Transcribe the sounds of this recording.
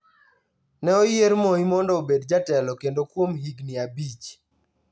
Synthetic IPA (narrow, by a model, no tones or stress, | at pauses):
nɛɔjɪeɾmoimɔndɔobedd͡ʒatɛlɔkendokwomhiɡnɪabit͡ʃ